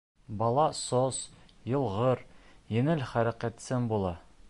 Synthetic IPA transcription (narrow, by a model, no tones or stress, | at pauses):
bɒlˠɑsozjɤ̆lˠʁɤɾjɘ̆ŋɘlχæɾæqæt̪sɘmbulˠɑ